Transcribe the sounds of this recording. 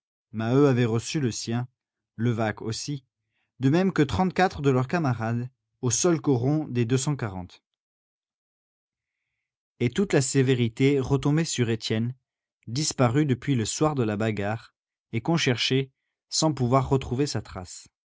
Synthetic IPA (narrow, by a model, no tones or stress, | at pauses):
maøavɛʁəsyləsjɛ̃ | ləvako̰si | d̪əmɛmkət̪χɑ̃t̪̚kat̪χəd̪əlœʁkamaʁad̪ | osɔlkɔʁɔ̃d̪ed̪øsɑ̃kaʁɑ̰̃t̪ | et̪ut̪laseveʁit̪eʁət̪ɔ̃besyʁet̪jɛn | d̪ispaʁyd̪əpɥiləswaʁd̪əlabaɡaʁ | ekɔ̃ʃɛʁʃe | sɑ̃puvwaʁːət̪χuvesat̪χa̰s